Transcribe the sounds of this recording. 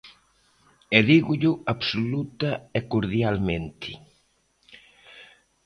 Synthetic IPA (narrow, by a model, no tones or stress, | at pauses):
ɛðiɣʊʎʊaβsolut̪ɐɛkoɾðjalmẽnt̪ʰɪ